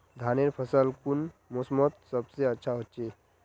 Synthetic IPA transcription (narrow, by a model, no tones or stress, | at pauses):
d̪ʱaneɾpʰəsəlkunmosmɔt̪̚səbseətːɕʰaɦotːt͡ɕe